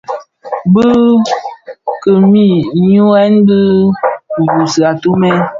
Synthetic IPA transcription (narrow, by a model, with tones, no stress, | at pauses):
bə˦ | kə˨mi˦˨ɲu˦ɛ˦nbɨ˦˨ | ju˨sa˨tu˦mɛ˦